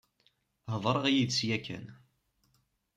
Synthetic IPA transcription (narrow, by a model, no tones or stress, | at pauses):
ɦðˤɾˤəʁjid̪sjækːæ̰n